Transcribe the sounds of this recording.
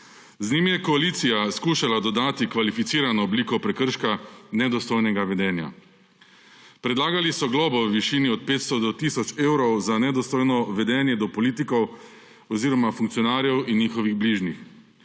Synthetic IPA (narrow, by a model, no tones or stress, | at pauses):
znimjɛkɔaliːt̪sijaskuːʃalad̪ɔd̪aːt̪ikʋalifit̪siːɾanɔːbliːkɔpɾɛkəɾʃkanɛd̪ɔst̪ojnɛɡaʋɛd̪ɛːnja̰ | pɾɛd̪laːɡalisɔɡlɔːbɔwʋiʃiːniɔt̪̚peːt̪st̪ɔd̪ɔt̪isɔt͡ʃeːwɾɔwzanɛd̪ɔst̪ɔːjnɔʋɛd̪ɛːnjɛd̪ɔpɔliːt̪̬ikɔw | ɔziːɾɔmafuŋkt̪sijɔnaːɾjɛwinjiːxɔʋiɣbliːʒnix